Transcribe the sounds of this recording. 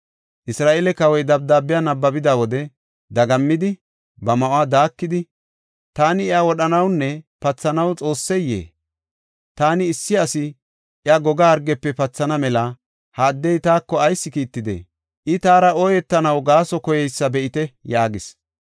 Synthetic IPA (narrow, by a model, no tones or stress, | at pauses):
ʔɪsɾaːʔɛlɛkɐwɔjd̪ɐb̚d̪aːbɪjanɐbːɐbɪd̪awɔd̪ɛ | d̪ɐɡɐmːɪd̪ɪ | bɐmɐʔʊaːd̪aːkːɪd̪ɪ | t̪aːnɪɛawɔɗɐnɐwnːɛpɐt͡sːɐnɐwt͡sʼo̞ːsːɛjːḛː | t̪aːnɪːsːɪɐsɪ | ʔɪaɡɔɡaːɾɡɛpːɛpɐt͡sːɐnɐmɛlɐ | haːd̪ːɛjt̪aːkːɔɐjsːɪkiːt̪ːɪd̪ḛː | ʔɪt̪aːɾɐɔjɛt̪ːɐnɐwɡaːsɔkɔjɛjsːɐbɛʔɪt̪ɛjaːɡɪs